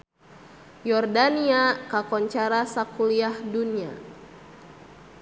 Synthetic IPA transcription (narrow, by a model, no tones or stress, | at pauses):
jɔrdaniakakɔɲt͡ʃaɾasakuliahdunia̰